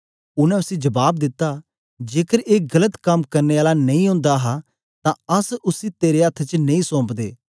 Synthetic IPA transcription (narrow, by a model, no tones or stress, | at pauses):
ʊnɛ̃ʊsid͡ʒɐbaːb̚d̪ɪt̪ːa | d͡ʒeːkəɾeːɡɐlət̪kɐmkɐɾneːaːlanɐĩʊ̃ːnd̪aɦa | t̪ãɐsʊsit̪eːɾeət̪ʰːt͡ʃnɐ̃ĩsɔ̃ːmpd̪eː